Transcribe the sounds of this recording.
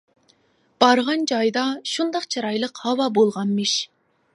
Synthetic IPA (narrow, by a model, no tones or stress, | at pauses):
b̥ɑɾʁɑnd͡ʒɑjd̪ɑʃund̪ɑqt͡ʃʰɑɾɑjlˠəqhɑwɑbolˠʁɑnmɨʃ